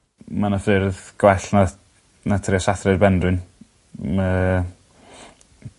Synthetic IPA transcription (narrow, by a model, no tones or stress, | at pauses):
manafɨrðɡ̥wɛɬna | natʰɾiasaθrɨdbɛndrɨn | mə